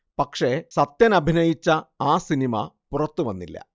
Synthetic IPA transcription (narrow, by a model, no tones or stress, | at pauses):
pɐkʂe̞sɐt̪jɐnɐbʱinɐjit͡ɕːɐaːsinimɐ̰purɐt̪ːuʋɐnːilːɐ̰